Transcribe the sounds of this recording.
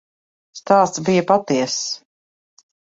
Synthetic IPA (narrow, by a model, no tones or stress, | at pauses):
st̪aːst̪sbijɐpat̪iɛs